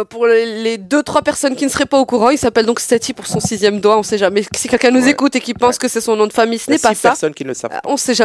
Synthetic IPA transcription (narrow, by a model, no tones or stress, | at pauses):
puʁled̪øt̪χwapɛʁsɔnkʲinəsəʁɛpaokuʁɑ̃ilsapɛld̪ɔ̃kst̪ɛt̪ipuʁsɔ̃sizjɛmd̪waɔ̃sɛʒamɛsikʲɛlkʲɛ̃nuzekut̪ekʲipɑ̃skəsɛsɔ̃nɔ̃d̪əfamijsənɛpasasɔnkʲinəsɛ̰vɔ̃sɛʒa